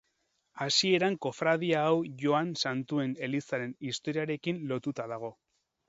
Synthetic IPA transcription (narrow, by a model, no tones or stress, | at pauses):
asie̞ɾaŋko̞fɾaðiaːwʝo̞ansant̪ue̞ne̞lisaɾe̞nist̪o̞ɾiaɾe̞kinlo̞t̪ut̪aðaɣ̞o̞